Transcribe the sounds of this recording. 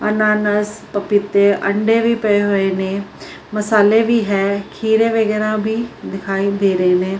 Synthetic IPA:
ɐnaːnəspɐpɪt̪eʔɐɳɖeːʋipɐeɦoeːnẽː | mɐsaːlebiːɦɛːkʰiːɾeːʋeɡɛːɾãːbʱiːd̪ɪkʰaːid̪eːɾɐeːneː

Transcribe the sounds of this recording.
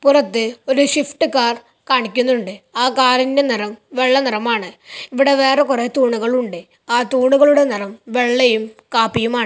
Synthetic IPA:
purɐt̪ːɨo̞ɾuɕifʈɨkaːr | kaːɳikʲːunːuɳɖɨaːkaːrinde̞nirɐmʋe̞ɭːɐnirɐmaːɳɨiʋiɽe̞ʋe̞ːrekuret̪uːɳuɣɐɭuɳɖɨ | aːt̪uːɳuɣɐɭuɽe̞nirɐmʋe̞ɭːejumkaːpːijumaːɳɨ

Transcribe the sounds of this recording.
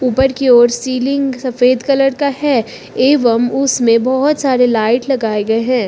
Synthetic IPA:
uːpəɾkeoːɾsiːlɪ̃ŋɡsɐfeːd̪kɐləɾkahɛː | eːʋəmʊsmẽbɔɦʊt̪saːɾelaːɪʈlɐɡaːeɡɐeɦɛ̃ː

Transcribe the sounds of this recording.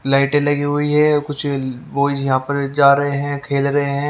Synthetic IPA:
laːɪʈẽlɐɡiɦʊiɦɛːkʊt͡ʃʰboːɪd͡ʒjɐɦãːpɐɾd͡ʒaːɾɐɦeɦɛ̃ːkʰeːlɾɐɦeɦɛ̃ː

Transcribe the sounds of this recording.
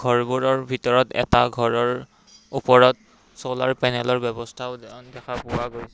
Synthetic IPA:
ɡʱɔɹbuɹɔɹbʱitɔɹɔtɛ̰taɡʱɔɹɔɹ | upɔɹɔt̚ | sɔla̰ɹpɛnɛlɔɹbɛbɔstʰaʊdɛkʰapʊwaɡojsɛ

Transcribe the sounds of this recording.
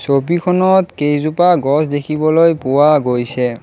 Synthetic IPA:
sobikʰɔnɔtkejzupaɡɔsdekʰibɔlojpʊwaɡojsɛ

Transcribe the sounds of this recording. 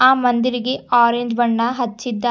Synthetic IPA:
aːmɐnd̪iɾiɡe̞aːɾeɲd͡ʒʋɐɳːɐɦɐt͡ʃːid̪ːɐ

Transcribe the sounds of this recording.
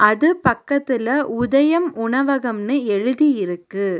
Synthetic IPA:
ʔɐðɯpɐkːɐt̪ːɪlɐʔʊðɐjɐmʊɳɐʋɐɣɐmnɯɛɻɯðijɪɾɯkːɯ

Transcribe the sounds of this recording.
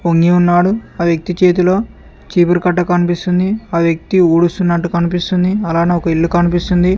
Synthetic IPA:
oŋɡiunːaːɽuaːʋjɐk̚t̪it͡ʃe̞ːt̪̬ulo̞ː | t͡ʃiːpɐɾkɐʈːɐkɐnipist̪und̪iaːʋjɐk̚t̪iuːɽust̪unːɐʈːukɐnipist̪und̪iɐlaːneːɔkɐiɭːukɐnipist̪und̪i

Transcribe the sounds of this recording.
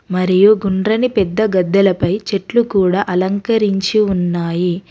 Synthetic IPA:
mɐɾijuɡuɳɖɾɐnipɛd̪ːɐɡɐd̪ːɐlɐpɐjt͡ʃeʈlukuːɽaːʔɐlɐŋkɐɾiɲt͡ʃiunːaːji

